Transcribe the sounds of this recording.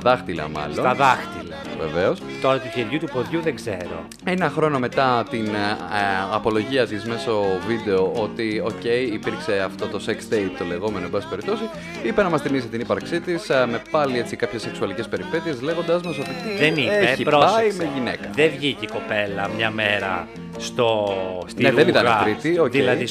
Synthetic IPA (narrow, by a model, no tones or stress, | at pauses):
ðɐxt̪ilɐ̰mɐ̰lsoɐðɐxt̪ilɐvḛveo̞st̪oɾɐt̪uceɾʝut̪upoðʝuðeɡzḛɾo̰ | enɐxɾo̞no̞me̞t̪ɐt̪in | ɐpo̞lo̞ʝiɐt̪izme̞so̞vid̪e̞o̞ot̪io̞ce̞iːpiɾkse̞ɐft̪o̞t̪o̞seksd̪eit̪t̪o̞le̞ɣo̞me̞noebɐspe̞ɾip̚t̪o̞si | ipenɐmɐst̪imis̬it̪inipɐɾksit̪isme̞pɐliet͡sikɐpçesːeksuɐlicespe̞ɾipe̞t̪ie̞zle̞ɣo̞nd̪ɐzmesot̪it̪iðenieçipɾpɐime̞ʝinekɐðevʝiciko̞pelɐmɲɐmeɾɐ̰ | st̪ostnieðenit̪ɐeɾit̪iocðieɐi